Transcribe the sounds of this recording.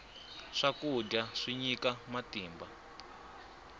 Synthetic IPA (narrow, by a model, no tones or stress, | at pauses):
ʂakuɟaʂiɲikamatiːmba